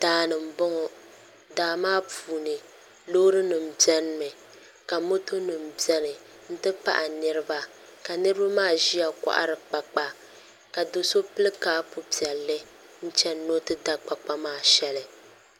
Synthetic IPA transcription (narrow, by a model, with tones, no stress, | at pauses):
d̥aː˨˦˨nɨ˨m̩˨bɔ˦ŋɔ˨ | daː˨maː˦puː˨nɨ˨ | lo˦ɾɨ˦nɨ˨m̩˨bi˦ɛ˦n˦mɨ˨ | ka˨mo˦to˦nɨ˨m̩˨bi˦ɛ˦nɨ˨ | n̩˦tɨ˦pa̰˦ʔa˨nɨ˦ɾɨ˦ba˦ | ka˨nɨ˦ɾɨ˦ba˦maː˦˨ʒi˦ja˨ka̰˦ʔa̰˦ɾɨ˨k͡pa˨k͡pa˦ | ka˨do˨so˦pɨ˦lɨ˦kaː˦pu˦pi˨ɛ˨lːɨ˦ | n̩˦t͡ʃɛ˦nː˦o˦tɨ˦da˦k͡pa˨k͡pa˦maː˦˨ʃɛ˦lɨ˨